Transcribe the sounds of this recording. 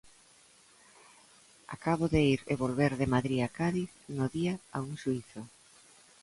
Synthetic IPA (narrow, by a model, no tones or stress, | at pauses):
a̰kaβoðeiɾeβolβeɾðemaðɾiakaðiθnoðiaauŋʃuiθʊ